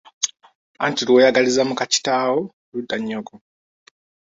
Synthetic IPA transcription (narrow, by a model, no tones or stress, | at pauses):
a̰ntilwojaɡalizamukat͡ʃi̥tawo | ludːaɲːoko